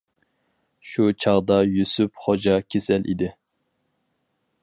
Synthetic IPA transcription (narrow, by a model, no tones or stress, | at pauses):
ʃut͡ʃʰɑʁd̪ɑjysypχod͡ʒɑkʲʰesɛlʔḭd̪ɪ